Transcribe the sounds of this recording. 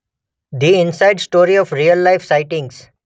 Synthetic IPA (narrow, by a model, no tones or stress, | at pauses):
d̪iɪ̃nsaɪɖsʈoːɾiɔfɾijəlːaɪfsaɪʈɪ̃ŋɡs